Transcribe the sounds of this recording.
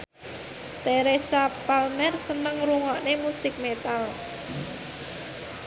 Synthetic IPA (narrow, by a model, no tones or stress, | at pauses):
t̪eɾesapalmɛrsənəŋɾuŋɔʔnemusɪk̚met̪al